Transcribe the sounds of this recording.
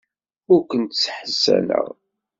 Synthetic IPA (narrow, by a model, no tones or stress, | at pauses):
ʊɾkʷənt̪sħəsːænə̰ʁ